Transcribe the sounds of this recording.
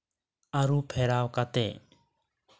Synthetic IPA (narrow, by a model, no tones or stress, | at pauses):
aɾuːpʰɛːɾaːwkat̪ḛː